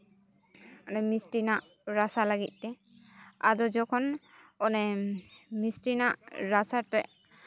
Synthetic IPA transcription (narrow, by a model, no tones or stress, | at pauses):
ɔnɛmisʈinaʔ | ɾasalaɡit̪̚ˀt̪ɛ | ad̪ɔd͡ʒɔkʰɔn | ɔnɛ | misʈinaʔɾasaʈɛʔ